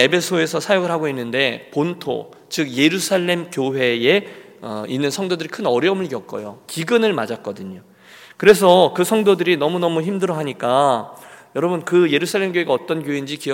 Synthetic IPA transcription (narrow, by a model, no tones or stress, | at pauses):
ebʰe̞sʰoe̞sʰʌsʰajoɡɯɭhaɡoinːɯnde̞pontʰo̰ | t͡ɕɯk̚je̞ɾusʰaɭːe̞mkjoɦe̞e̞ | ʌ̰inːɯnsʰʌŋdodɯɾikʰɯnʌɾjʌmɯɭɡjʌk̚k͈ʌ̰jo̰kiɡɯnɯɭmad͡ʑak͈̚ʌdɯɲo | kɯɾe̞s̬ʰʌkɯsʰʌŋdodɯɾinʌmunʌmuçimdɯɾʌɦaɲik͈a | jʌɾʌbɯnkɯje̞ɾusʰaɭːe̞mɡjoɦeɡaʌt͈ʌnkjoɦeind͡ʑikiʌ